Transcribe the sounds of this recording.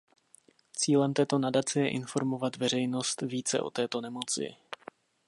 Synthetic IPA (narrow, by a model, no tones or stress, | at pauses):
t͡siːlɛmt̪ɛːt̪o̞nadat͡sɛjɛʔɪnfo̞ɾmo̞vat̪vɛr̝ɛjno̞st̪viːt͡sɛ̰ʔo̞̰t̪ɛːt̪o̞nɛmo̞t͡sɪ̰